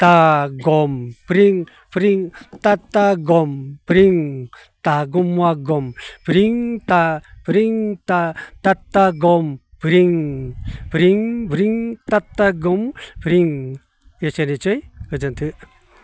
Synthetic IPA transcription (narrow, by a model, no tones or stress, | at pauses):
t̪aɡɔmpɾiŋ | pɾiŋt̪at̪ːaɡɔmpɾiŋ | taɡɔmwaɡɔmpɾiŋt̪apɾiŋtatatːaɡɔm | pɾiŋ | pɾiŋbɾiŋtat̪ːaɡɔmpɾiŋ | et͡ʃenit͡ʃɯjkəd͡ʒant̪ʰɯʔ